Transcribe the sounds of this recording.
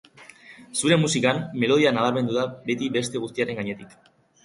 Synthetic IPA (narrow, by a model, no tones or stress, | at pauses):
suɾe̞mːusikamːe̞lo̞ð̞ianaβaɾme̞nd̪uðabe̞t̪ibe̞st̪e̞ɣ̞ust̪iaɾe̞ŋɡaɲe̞t̪ik